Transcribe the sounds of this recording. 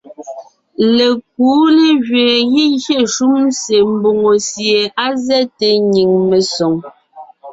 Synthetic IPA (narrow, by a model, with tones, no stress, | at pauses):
le˨k̚uː˨˦le˦ɣɥe˨ɣi˦ɣje˦˨ʃu˦m˦se˨m̩˦bo˨ŋo˨sje˨a˦zɛ˦te˨ɲi˨ŋme˨so˨ŋ